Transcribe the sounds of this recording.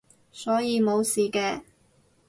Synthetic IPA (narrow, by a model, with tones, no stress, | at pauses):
sɔː˨˥jiː˨˧mo˨˧wsiː˨kɛː˧